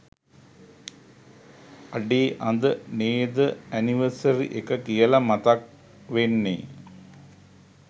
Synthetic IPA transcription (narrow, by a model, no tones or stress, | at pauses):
ɐɖeːʔɐnd̪əneːd̪əæniʋəsɐɾḭʔekəkijəlamat̪ak̚ | ʋenːḛ